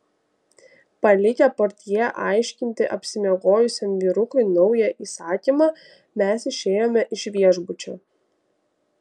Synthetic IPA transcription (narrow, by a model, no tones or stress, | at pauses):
pɐlʲɪkʲɛpɔɾʲt̪ʲijɛʔɑˑɪʃʲkʲɪnʲt̪ʲɪʔɐpʲsʲɪmʲeɛɡoːjʊsʲɛmʋʲiːɾʊkʊɪnɒʊjɛʔiːsɑːkʲiːmɑː | mʲɛsɪʃʲeːjoːmʲɛʔɪʃʲʋʲiɛʒbʊt͡ʃʲoː